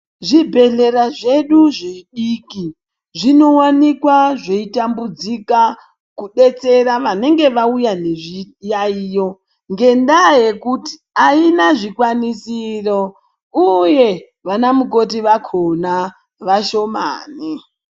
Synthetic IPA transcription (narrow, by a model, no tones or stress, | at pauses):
ʐibʱe̞ɮe̞ɾaʐeɗuʐeɗiːki | ʐino̞wanikwaʐeitambud͡zika | kuɗe̞t͡se̞ɾaʋane̞ŋɡe̞ʋaujane̞ʐijaijo̞ | ŋɡe̞ndaje̞kuti̥ | ainaʐikwanisiro | uje̞ | ʋanamuko̞tiʋakʰona | ʋaʃo̞ma̰ːni